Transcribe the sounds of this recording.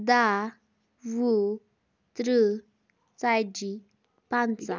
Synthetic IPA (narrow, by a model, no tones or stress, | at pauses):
d̪a | ʋu | t̪ɾə | t͡sajd͡ʑi | pant͡sa